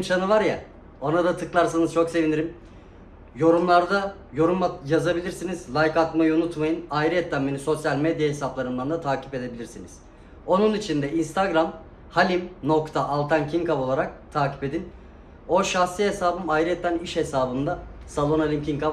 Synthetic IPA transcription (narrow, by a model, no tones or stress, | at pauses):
nt͡ʃʰanɯvaɾja | o̞nad̪at̪ʰɯklˠaɾs̬anɯzt͡ʃʰo̞kse̞viniɾim | jo̞ɾumlˠaɾd̪a | jo̞ɾumjazabilʲiɾsinizlʲˠajkat̪majɯunut̪majɯnajɾiɛt̪ʰːænbe̞niso̞sjalʲmed̪jahe̞saplˠaɾɯnd̪and̪at̪ʰaːcʰi̥pe̞d̪e̞bilʲiɾsiniz̥ | o̞nunit͡ʃʰind̪ɛinst̪aɡɾam | halʲimno̞kt̪ʰaʔalˠt̪ʰankcʰiŋkavo̞lˠaɾak̚t̪ʰaːcʰi̥pe̞d̪in | o̞ʃaxsiesaːbɯmajɾiɛt̪ːæniʃhe̞saːbɯnd̪asalˠo̞nalʲimcʰiŋka